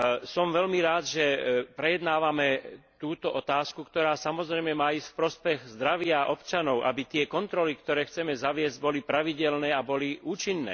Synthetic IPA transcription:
sɔmʋɛlmiɾaːd̪ʒɛpɾɛjɛd̪naːʋamɛt̪uːt̪ɔʔɔt̪aːskukt̪ɔɾaːsamɔzɾɛjmɛmaːiscfpɾɔspɛɣzd̪ɾaʋɪaʔɔpt͡ʃanɔʊʔabit̪ɪɛkɔnt̪ɾɔlikt̪ɔɾɛːxt͡sɛmɛzaʋɪɛzɟ̚bɔlipɾaʋiɟɛlnɛːabɔliʔuːt͡ʃinːɛ̰ː

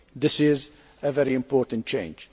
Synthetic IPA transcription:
d̪ɪsɪz | əvɛɾiɨ̃mpɔːɾtə̃nt̚t͡ʃẽɪ̃nd͡ʒ

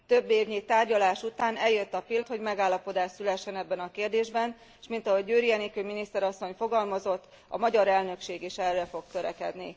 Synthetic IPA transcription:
t̪ø̞bːeːvɲit̪aːrɟɒlaːʃut̪aːnɛljøt̪ːɒpilt̪ho̞ɟmɛɡaːlːɒpo̞d̪aːʃsylɛʃːɛnɛbːɛnɒkeːrd̪eːʒbɛn | ʃmint̪ɒɦo̞ɟøːɾijɛnikøminist̪ɛɾɒsːo̞ɲfo̞ɡɒlmɒzo̞t̪ː | ɒ̰mɒɟɒɾɛlnø̞kʃeːɡeʃɛrːɛfo̞k̚t̪øɾɛ̰kɛ̰d̪nḭ

